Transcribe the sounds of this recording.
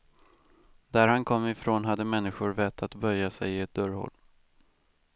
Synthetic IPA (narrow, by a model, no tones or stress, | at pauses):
d̪æɾhankʰɔmːɪfɾoːnɦad̪ːəmɛnːɪɧʊɾvɛt̪ʰːat̪bœjːasɛjɪɛt̪̚d̪œɾhɔ̰lː